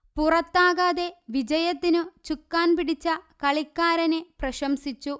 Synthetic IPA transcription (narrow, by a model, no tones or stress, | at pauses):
purɐt̪ːaːɣaðe̞ʋid͡ʑɐjɐt̪ːinut͡ɕukːaːnpiɽit͡ɕːɐkɐɭikːaːɾɐneprɐɕɐmsit͡ɕːu